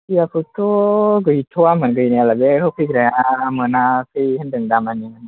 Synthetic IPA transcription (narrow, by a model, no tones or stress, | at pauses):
kiapʰɯtʰɔɡɯjtʰɔamənɡɯjnaalabeɔkʰɯjɡɾajaːmɯnakʰɯjhəndɯŋdamaniman